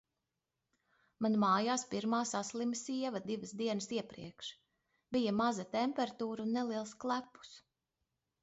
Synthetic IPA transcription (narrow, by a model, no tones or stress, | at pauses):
manmaːjaːspiɾmaːsaslˠimsiɛvɐd̪ivəsd̪iɛnɨsiɛpɾḭɛkʃ | b̥ijamazɐt̪ɛmpɛɾat̪uːɾunːɛliɛlˠsklˠæpu̥s